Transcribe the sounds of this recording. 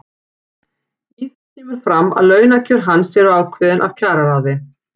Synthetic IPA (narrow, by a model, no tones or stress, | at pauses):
iθcʰɛːmʏɾ̥fɾamːa̰ðlœːɥnacʏɾ̥ɦanːsɛɾʏaːwkʰvɪːðɪnʔa̰vcʰaːɾaɾaːðɪ